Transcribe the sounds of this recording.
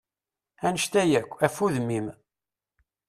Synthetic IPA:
ænəʃt̪æjækʷːæfuðmːim

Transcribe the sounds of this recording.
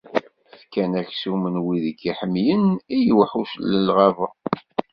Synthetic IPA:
fkænæçsumənwiðəkːiħəmjənijwħuʃlːəlʁɑvə

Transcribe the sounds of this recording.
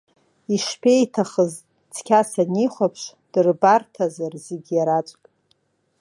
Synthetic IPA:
iʃpʰʲe̞jtʰaχəz | t͡sʰkʲʰasaniχʷapʰʂd̥ɨrbartʰazarzeɡʲijaɾat͡sʷʼkʼ

